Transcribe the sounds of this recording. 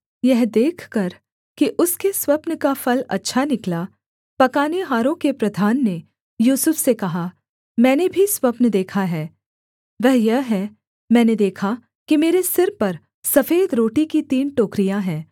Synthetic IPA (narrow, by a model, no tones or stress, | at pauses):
jɛɦd̪eːkʰkɐɾ | kiʔʊskeswɐpnkafɐlɐ̰tːʃʰanɪkla | pɐkaːneɦaːɾõkepɾɐd̪ʱaːnːe | juːsəfsekɐɦa | mɛ̃ːnebʱiswɐpnd̪eːkʰaɦɛː | ʋɛɦjɐɦɦɛ | mɛ̃ːned̪eːkʰa | kimeːɾesɪɾpɐɾ | sɐfeːd̪ɾoːʈikit̪iːnʈoːkɾijaɦɛ̃ː